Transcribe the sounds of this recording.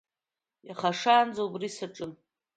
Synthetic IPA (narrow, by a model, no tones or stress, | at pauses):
jaχaʂaːnd͡zoubrisaʈ͡ʂʼɨn